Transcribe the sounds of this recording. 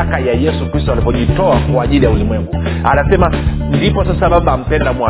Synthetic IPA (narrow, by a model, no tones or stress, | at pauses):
akajajɛsukɾistɔalipɔʄitɔakwaːʄilijaulimwɛŋɡu | anasɛma | ndipɔsasaɓaɓaːm̩pɛndamwa